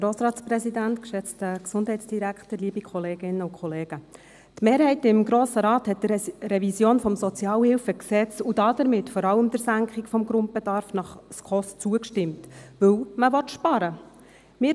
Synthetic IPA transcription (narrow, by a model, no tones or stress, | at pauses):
ɾoːsɾɑːt͡sprɛsidæntkʃɛt͡stəksʊndɦɛɪt͡sd̥iɾækχtəɾliːbikχɔleːɡɪnːəʊkʰχɔleːɡ̥ə | tmeːɾhɛɪtɪmɡɾoːsəɾɑːthɛt̚d̥ərɛvisjoːnfɔmsɔt͡sjɑːlhɪlfəksɛt͡sud̥ɑd̥əɾmɪtfɔɾɑləmd̥əɾsæŋkχɪɡfɔmɡɾʊnt̚b̥edɑːɾfnɑχskʰɔst͡suəkʃtɪmtvɵwməvɔt̪ʃpɑɾə | mɪ